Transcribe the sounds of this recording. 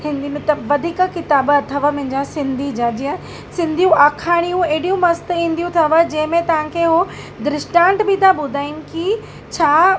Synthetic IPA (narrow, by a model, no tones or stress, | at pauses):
hɪ̃nd̪imẽt̪ɐʋɐd̪ʱiːkə̆kɪt̪aːbɐt̪ʰəʋə̆mɐ̃ɦɪ̃ɲd͡ʑãsɪ̃nd̪ʱid͡ʑaːd͡ʑiə̃ | sɪ̃nd̪ʱijũaːkʰaːɽ̃ijũeːɽijũmɐst̪ĩːnd̪ijũt̪ʰɐʋəd͡ʑɐ̃ɦɪ̃mẽt̪ɐʋ̤ãkʰeɦo | d̪ɾɪʃʈãːɳʈbɪt̪aɓʊd̪ʱaːinɪ̆ki | t͡ɕʰaː